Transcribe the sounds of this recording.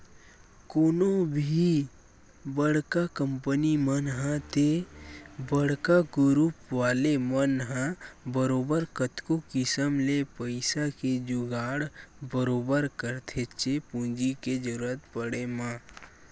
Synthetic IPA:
koːnobʱi | bəɽkakə̃mpənimənɦãt̪ʰe | bəɽ̤kaɡʊɾupʋaːlemənɦãbəɾoːbəɾkət̪kokɪsəmlepəɪsaked͡ʒuɡaːɽbəɾoːbəɾkəɾt̪ʰet͡ʃʰepũːd͡ʒiked͡ʒəɾuət̪pəɽemãː

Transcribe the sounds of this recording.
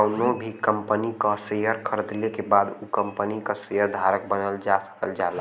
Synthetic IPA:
ʊnobʱikəmpənikasejəɾkʰəɾd̪lekebad̪ukəmpənikəsejəɾd̪ʱaɾək̚bənəld͡ʒasə̥kəld͡ʒala

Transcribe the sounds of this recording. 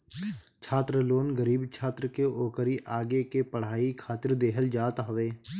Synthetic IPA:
t͡ʃʰaːt̪ɾəloːnɡəɾiːbt͡ʃʰaːt̪ɾəkeʔoːkəɾiʔaːɡekepəɽ̤aːikʰaːt̪ɪɾd̪eːɦəld͡ʒaːt̪ɦəʋeː

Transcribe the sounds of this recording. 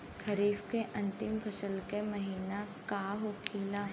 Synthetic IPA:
kʰɐɾiːfkeʔɐ̃nt̪ɪmpʰɐsəlkemɐɦiːnakaːɦokʰiːlaː

